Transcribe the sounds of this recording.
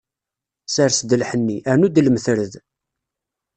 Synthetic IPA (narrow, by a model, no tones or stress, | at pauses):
saɾsd̪əlħənːiʔæɾnud̪lməθɾəð